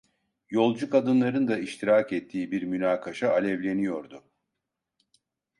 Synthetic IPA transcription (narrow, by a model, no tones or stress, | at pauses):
jo̞lˠd͡ʒukad̪ɯnlˠaɾɯnd̪aiʃt̪ʰiɾaːkɛt̪ʰːiːbiɾmynaːkʰaʃaːlʲɛvlʲe̞nijo̞ɾd̪ʊ